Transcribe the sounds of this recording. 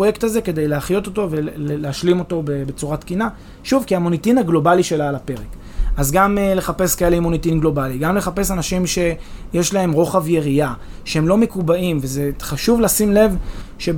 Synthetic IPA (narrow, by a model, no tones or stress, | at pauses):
ojektaze̞ke̞d̪e̞jleaχjo̞t̪o̞to̞veleaʃlimo̞to̞bebe̞t͡suʁatkina | ʃuvkiamo̞nitinaɡlo̞baliʃe̞laːlape̞ʁek | azɡamle̞χape̞skaeleimo̞nitinɡlo̞baliɡamle̞χape̞sanaʃimʃe̞jeʃlahe̞mʁo̞χavje̞ʁiaʃehe̞mlo̞me̞kubaimveze̞χaʃuvleasimle̞vʃe